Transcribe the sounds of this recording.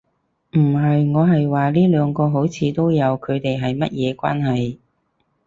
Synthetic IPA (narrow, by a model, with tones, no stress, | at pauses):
m̩˨˩ɦɐ˨jŋɔː˨˧ɦɐ˨jwaː˨liː˥lœː˨˧ŋkɔː˧ɦo˨˥wt͡sʰiː˨˧t̪o˥wjɐ˨˧wkʰɵ˨˧ɥt̪e˨jɦɐ˨jmɐ˥t̚jɛː˨˧kʷa̰ː˥nɦɐ˨j